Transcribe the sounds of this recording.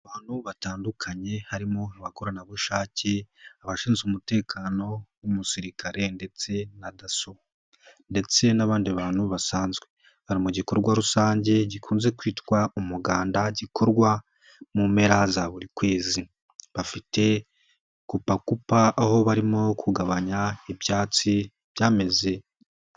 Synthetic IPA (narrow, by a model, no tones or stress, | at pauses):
aβaːn̥huβataːndukʰaɲe̞haɾimoaβakoɾanaβuʃaːce̞aβaʃiːnzumute̞ːkʰano̞wumusiɾikʰaɾe̞nde̞t͡se̞nadaso | nde̞t͡se̞naβaːndiβaːnhuβasaːnzɡwe̞ | haɾimoɟiko̞ɾɡwaɾusaːɲɟe̞ɟikʰuːnze̞kwiːtwaumuɡaːndaɟikʰo̞ɾɡwa | mume̞ɾazaβuɾikwe̞ːzi | βafite̞ | kupakupaʔːho̞βaɾimo̞kʰuɡaβaɲaibjaːt͡si | βjaːme̞ze